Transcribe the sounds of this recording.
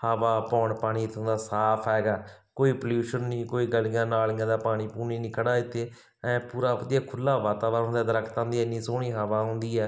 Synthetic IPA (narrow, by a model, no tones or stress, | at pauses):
həʋaːpɔːɳpaːɽ̃iːt̪ʰːə̃nd̪aːsaːpʰɦɛːɡaːkoːiːpəljuːʃənnĩːkoːiːɡəlijãːnaːlɪ̃ːãːd̪aːpaːɽ̃iːpuːniːnɪkʰəɽaːɪt̪ʰːeː | ɛ̃ːpuːɾaːʋəd̪iɛːkʰʊlːaːʋaːt̪aːʋaːɾ̃nd̪aːd̪əɾəkʰt̪ãːnd̪iːɛnĩːsoːɳiːɦəʋaːɦʊ̃nd̪iːɛː